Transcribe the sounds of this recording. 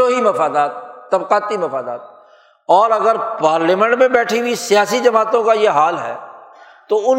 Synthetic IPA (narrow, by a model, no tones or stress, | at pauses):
oːɦimɐfaːd̪aːt̪̚ːɐbqaːt̪imɐfaːd̪a̰ːt̪̚ | ɔːɾɐɡəɾpaːɾliːmɛ̃ɳʈmẽbɛːʈʰiwisɪjaːsid͡ʒɐmaːt̪õkajeɦaːlɦɛ̰ː | t̪oʊn